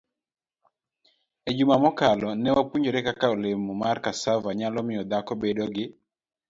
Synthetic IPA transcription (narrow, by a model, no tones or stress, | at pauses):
ed͡ʒumamɔkalɔnɛwapuɲd͡ʒoɾɛkakaolɪmɔmarkasavaɲalɔmɪjɔd̪akɔbedoɡɪ